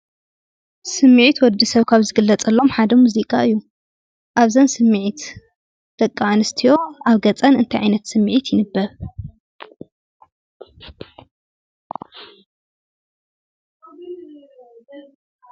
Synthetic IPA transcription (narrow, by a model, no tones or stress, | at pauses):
sɨmːʕit̪wɔd̪isɐβkʰaβzɨɡɨlːɐt͡sʼɐlːo̞mħad̪ɐmuzikʼaɨjːu | ʔaβzɐnsɨmːʕit̪ | d̪̥ɐkʼːaʕanɨst̪ʰijo̞aβɡɐt͡sʼɐnɨnt̪ʰɐjʕajnɐt̪sɨmːʕit̪ʰjɪnɨbːɐβ